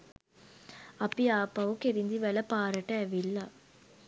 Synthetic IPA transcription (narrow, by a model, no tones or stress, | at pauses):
ɐpːiaːpːɐʋukeɾind̪iʋɛlɐpaːɾɐʈːɐːʋilːa